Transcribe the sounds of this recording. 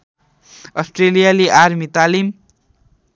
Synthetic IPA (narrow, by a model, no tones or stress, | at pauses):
ʌsʈrelijaliʔarmit̪alim